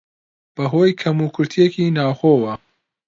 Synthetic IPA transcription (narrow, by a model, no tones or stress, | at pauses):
b̥ɐɦoːjkʰɐmuːkʰʊɾt̪ʰijekiːnaːwxoːwɐ